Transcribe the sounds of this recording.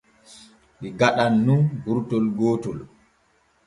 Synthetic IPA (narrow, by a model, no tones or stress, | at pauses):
ɓiɡaɗanːunɡuɾtɔlɡoːtɔl